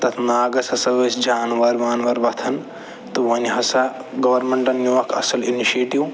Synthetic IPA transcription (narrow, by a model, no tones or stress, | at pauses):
t̪ɐt̪ʰnaːɡɐshɐsɐʋɐsd͡ʒaːnʋɐɾʋaːnʋɐɾʋɐt̪ʰɐn | t̪ɨʋɐniɦɐsaɡɐʋɐɾmeɳʈɐnːuɐkʰɐ̰sɐliniʃeːʈiw